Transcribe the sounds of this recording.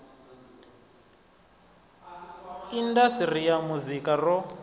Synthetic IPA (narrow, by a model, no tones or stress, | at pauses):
indasirijamuzikarɔ